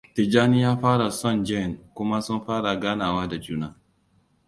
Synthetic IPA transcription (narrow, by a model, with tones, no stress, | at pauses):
tɪ˨d͡ʒaː˦nɪ˦jaː˦ɸaː˦ɽa˨sɔ˦˨nd͡ʒɛ˦˨ŋkʷʊ˦ma˦sʊ˦nɸaː˦ɽa˨ɡaː˦naː˨waː˦da˨d͡ʒuː˦naː˦